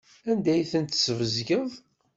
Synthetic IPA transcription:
ænd̪æjθənt̪səvəzɡəðˤ

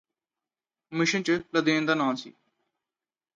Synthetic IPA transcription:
mɪʃənt͡ʃələd̪ẽːnd̪aːnãːnsḭː

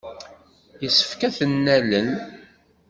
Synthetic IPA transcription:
jəsə̥fkæθənːælən

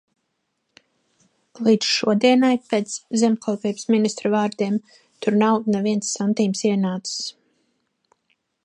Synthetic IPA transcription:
liːd̪sʃuɔd̪iɛnajpeːt̪szɛmkʰɔlˠpiːbsminist̪ɾɔvaːɾd̪iɛm | t̪uɾnawnɛviɛnt̪sːant̪iːmsiɛnaːt̪ss

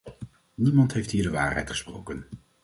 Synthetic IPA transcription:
nimɑntɦejftɦiːɹdəʋa̰ːɹɦɛ̰jtχə̥spro̰wkən

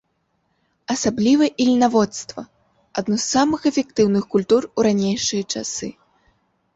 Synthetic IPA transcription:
ɐsablʲivɐʔilʲnavɔt̪st̪vɐ̰ | ad̪nusːamɨxɛfʲɛk̚t̪ɨwnɨxkulʲt̪uruɾanʲejʂɨjɐt͡ʂa̰sɨ̰

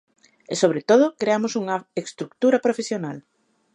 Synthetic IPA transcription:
esoβ̞ɾet̪oð̞ʊkɾeamosuŋɐekst̪ɾuk̚t̪uɾɐpɾofesjonal

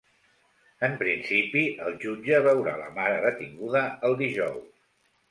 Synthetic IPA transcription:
əmpɾinsipiəlˠʒud͡ʒəβəwɾa̰lə̰maɾəðət̪iŋɡuðəəlˠd̪iʒɔws

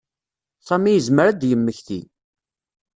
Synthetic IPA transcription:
sæmijəzməɾæd̪jəmːəçθi

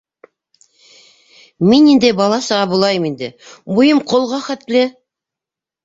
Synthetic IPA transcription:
menind̪ebɑlˠɑsɑʁɑbolˠɑjəmind̪ɪbʊjəmqʰolˠʁɑχæt̪lɪ

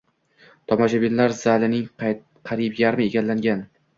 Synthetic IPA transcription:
t̪ʰɒmaʃabinlaɾzalɪnɪŋ | qʰɑɾipjaɾmɪeɡʲallːaŋɡʲan

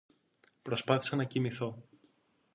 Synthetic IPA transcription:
pɾo̞spɐθi̥sɐnɐcimiθo̞

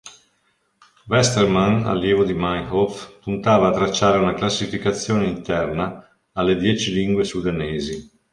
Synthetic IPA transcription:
vɛst̪ermana̰lːjɛːvod̪imajhɔfpunt̪aːvaːt̪ɾat͡ʃːaːɾeunaklasːifikat̪sːjoːneint̪ɛrnaː | lːed̪jɛːt͡ʃiliŋɡwesud̪aneːzi

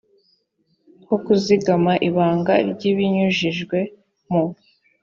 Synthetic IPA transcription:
kokuziɡamaʔiβaːŋɡaɾɟiβiɲuʒiʒɡwe̞ | mu

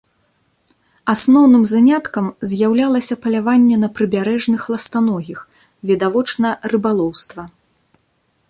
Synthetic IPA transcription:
asnɔwnɨmzanʲat̪kɐmzʲjawlʲalˠɐsʲɐpɐlʲavanʲːɛnɐpɾɨbʲaɾɛʐnɨxlˠɐst̪anɔɣʲix | vʲid̪avɔt͡ʂnɐrɨbalˠɔwst̪vɐ

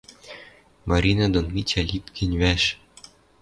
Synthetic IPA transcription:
mɑɾʲinɑd̪onmʲit͡ɕælʲit̪kʲʰɘ̆nʲβæʃ

